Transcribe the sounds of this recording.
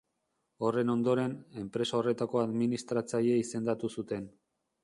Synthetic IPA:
o̞re̞no̞nd̪o̞ɾe̞ne̞mpɾe̞sao̞re̞t̪ako̞aðminist̪ɾat͡saʎeise̞nd̪at̪usut̪e̞n

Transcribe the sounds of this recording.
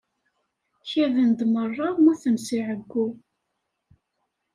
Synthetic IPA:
çævənd̪mərˤːɑmʊθəmsiʕəɡːu

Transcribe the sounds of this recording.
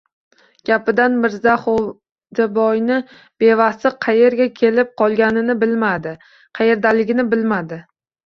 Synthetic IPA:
ɡ̥ʲapɪd̪anmɪɾzaχ | d͡ʒabɒjnɪ | b̥e̞vasɪqʰɑje̞ɾɡʲakʲʰe̞lɪp̚qʰɒlˠɡʲanɪnɪbɪlmad̪ɪ | qʰɑje̞ɾd̪alɪɡʲɪnɪbɪlmad̪ɪ

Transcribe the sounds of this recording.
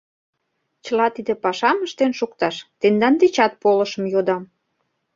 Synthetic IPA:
t͡ɕə̆lɑt̪id̪ĕpɑʃɑməʃt̪enʃukt̪ɑʃt̪end̪ɑnd̪et͡ɕɑt̪̚polə̆ʃə̆mjod̪ɑm

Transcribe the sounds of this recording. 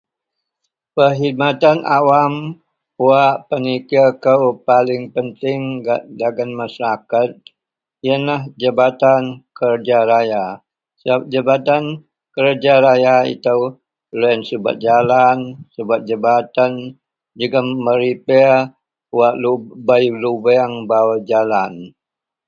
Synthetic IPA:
pəɦid̪̚mat̪anʔawam | waʔpənikakəwpalɪŋpənt̪ɪŋɡadaɡanmasaɾakat̪̚ | ianahd͡ʒəbat̪ankərd͡ʒaɾaja | s̚d͡ʒabat̪an | kəɾd͡ʒaɾajaḭt̪aw | lɛansəba̰t̪̚d͡ʒalansəbat̪̚d͡ʒəbat̪an | d͡ʒikaməɾipɛ | waʔlubajlubɛaŋbawad͡ʒalan

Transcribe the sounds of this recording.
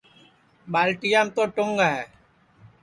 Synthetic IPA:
ɓaːlʈijaːmt̪oːʈʊŋɡaɦɛː

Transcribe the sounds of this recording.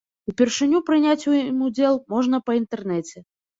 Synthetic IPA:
upʲɛrʂɨnʲupɾɨnʲat͡sʲujimud͡zʲɛlˠmɔʐnɐpɐint̪ɛrnɛt͡sʲɛ

